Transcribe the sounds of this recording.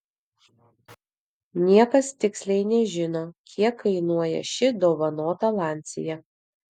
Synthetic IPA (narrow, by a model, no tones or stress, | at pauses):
nʲiɛkɐst̪ʲɪksʲlʲɛɪnʲɛʒʲɪnoːkʲʰiɛkːɐɪnuɔjɛ̰ʃʲɪd̪oːʋɐnoːt̪ɐlˠɑˑnʲt̪sʲɪ̰jɛ